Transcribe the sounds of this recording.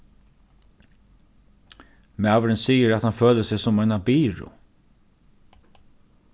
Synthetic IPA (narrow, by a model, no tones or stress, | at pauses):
maːʋɾɪnsiːjəɾat̪hanføːləsɪɣsʊmaɪnabiːɾʊ̰